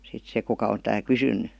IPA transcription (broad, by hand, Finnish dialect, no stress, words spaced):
sit se kukɑ on tæː kysynˑy